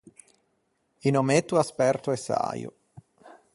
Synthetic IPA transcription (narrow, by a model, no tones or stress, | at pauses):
inomet̪ːuaspɛrt̪oɛsːa̰ːjṵ